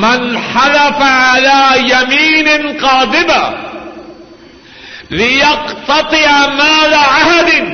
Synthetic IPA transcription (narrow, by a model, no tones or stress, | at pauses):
manħalafaʕalaːjamiːnɪqɑːd̪ɪba | lɪjɑqt̪ɑt̪ˤɨʕamaːlaʕahad̪ɪ